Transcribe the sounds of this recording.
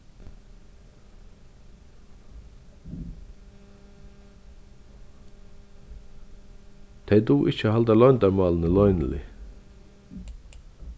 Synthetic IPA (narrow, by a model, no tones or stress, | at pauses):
t̪ʰejd̪uːʔɪt͡ʃəhɑld̪ælɔʏnd̪æɾmɑːlənəlɔʏnlɪ̰